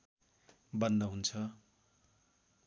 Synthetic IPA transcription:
bʌnd̪ʌɦunt͡sʰʌ

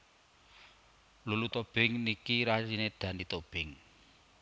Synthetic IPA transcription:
lulut̪ob̥ɪŋnikiɾasined̪̥ä̤nit̪ob̥ɪŋ

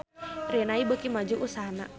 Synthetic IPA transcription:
rinaibəkimad͡ʒuʔusaɦana̰

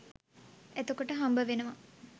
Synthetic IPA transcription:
æt̪okoʈəɦambəʋenəʋa

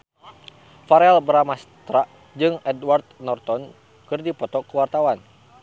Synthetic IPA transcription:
faɾɛlbəɾamast̪ɾaʔ | d͡ʒɨŋɛdwart̪̚nɔrt̪ɔn | kɨrdipɔt̪ɔkəwart̪awan

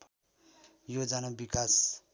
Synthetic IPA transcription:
jod͡zanabikas

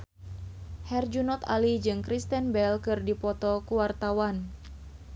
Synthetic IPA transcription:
hɛrd͡ʒunɔt̪a̰lid͡ʒɨŋkɾist̪ɛnbɛlkɨrdipɔt̪ɔkuwart̪awan

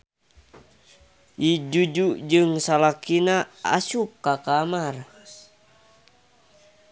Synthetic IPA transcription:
ʔid͡ʒud͡ʒud͡ʒɨŋsalakinaa̰sup̚kakamar

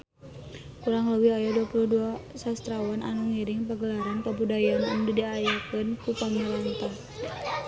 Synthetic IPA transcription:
kuɾaŋləwihajaduapuluhduasast̪ɾawanʔa̰nuŋiɾɪŋpaɡəlaɾankabudajanandudiajakənkupamilant̪a

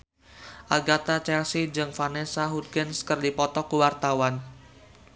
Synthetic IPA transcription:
ʔaɡat̪at͡ʃɛlsid͡ʒɨŋfanɛsaɦud̪̚ɡɛnskərdipɔt̪ɔkuwart̪awan

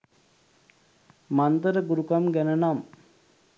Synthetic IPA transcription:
mant̪əɾəɡuɾukamɡænənam

